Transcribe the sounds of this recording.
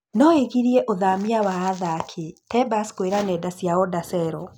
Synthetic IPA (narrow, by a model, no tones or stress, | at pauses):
nɔeɣiɾiɛʔoðamiawaːðakʰetɛbaskoeɾanɛːdasjaɔdasɛɾɔ